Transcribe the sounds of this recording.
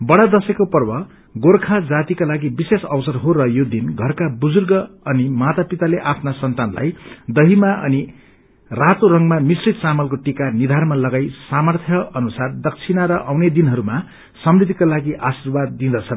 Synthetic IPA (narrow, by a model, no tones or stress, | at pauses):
bʌɽad̪ʌsʌkopʌrbʌ | ɡorkʰad͡zat̪ikalaɡibisesʌwsʌrɦoɾʌjod̪inɡʱʌrkabud͡zurɡʌʌnimat̪apit̪aleʔapʰnasʌnt̪anla̰jd̪ʌɦimaʔʌ̰ni | rat̪oɾʌŋmamisrit̪̚t͡samʌlkoʈikanid̪ʱarmalʌɡajsamʌrt̪ʰjʌʌnusard̪ʌk̚t͡sʰinaɾʌʔawned̪inɦʌɾuma | sʌmrid̪ʱikalaɡiʔasirbad̪ːind̪ʌt͡sʰʌn